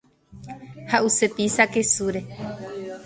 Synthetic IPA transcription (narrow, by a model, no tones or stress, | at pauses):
haʔusepisake̞suɾe̞